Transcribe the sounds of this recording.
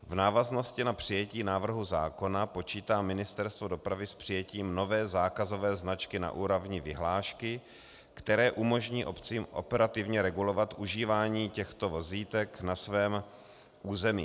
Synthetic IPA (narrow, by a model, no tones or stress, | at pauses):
vnaːvazno̞scɪnapr̝̥ɪjɛciːnaːvr̩ɦuza̰ːko̞napo̞t͡ʃiːt̪aːmɪnɪst̪ɛɾst̪vodo̞pɾavɪspr̥ɪjɛciːmno̞vɛːzaːkazo̞vɛːznat͡ʃkɪna̰ʔuːɾovɲɪvɪ̰ɦlaːʃkɪ | kt̪ɛɾɛːʔumo̞ʒɲiːʔo̞pt͡siːmʔo̞̰pɛɾat̪ɪvɲɛɾɛɡulo̞vat̪ʔuʒiːvaːɲiːcɛxt̪o̞vo̞ziːt̪ɛknasvɛːm | ʔuːzɛmḭː